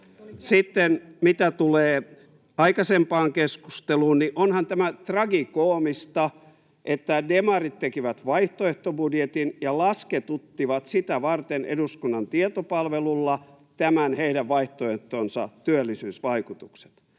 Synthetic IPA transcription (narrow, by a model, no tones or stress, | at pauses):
sit̪ːenmit̪æt̪uleː | ɑikɑsempɑːŋkesku̥st̪eluːnniʔonhɑnt̪æmæt̪rɑɡikoːmist̪ɑ | ʔet̪ːædemɑrit̪t̪ekiʋæt̪ʋɑiht̪oeht̪obudjet̪injɑlɑsket̪ut̪ːiʋɑt̪sit̪æʋɑrt̪enḛduskunːɑnt̪iet̪opɑlʋelulːɑ | t̪æmænheidæʋʋɑiht̪oeht̪oːnsɑ̰t̪yølːisyːsʋɑikut̪ukse̥t̪